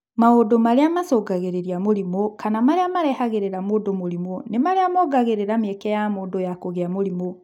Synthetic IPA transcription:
maodomaɾeamasɔɡaɣeɾeɾiamoɾimɔkanamaɾeamaɾɛhaɣeɾeɾamodomoɾimɔnemaɾeamɔɡaɣeɾeɾamɛkɛjamoːdojakoɣeamoɾimɔ

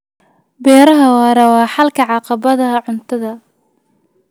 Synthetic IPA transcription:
bɛːɾɐɦɐwɑːɾɐwɑːħɑlkʰɐʕɑqɑβɐðɐʕʊnt̪ʰɐðɐ

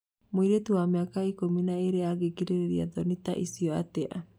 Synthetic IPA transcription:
moiɾetuwameakaikominaeɾeaɣekiɾeɾeɾia̰ðɔnita̰ʔisiɔa̰tɛa̰

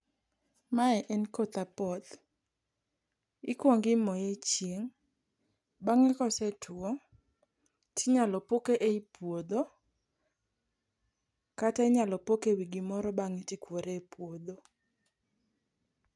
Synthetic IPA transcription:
maɛʔɛnkot̪apɔd̪ | ikwoŋɡɪmɔjet͡ʃjeŋ | baŋɛkɔsɛtʰuɔ | tiɲalɔpokeʔeipwod̪o | kataɪɲalɔpokewiɡimɔɾɔbaŋitikwoɾepwod̪o

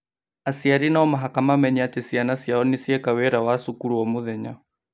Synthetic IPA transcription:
asiaɾinaɔmaɦakamamɛɲiatesianasiaɔnisiɛkawɛɾawasukuɾuɔmoðɛɲa

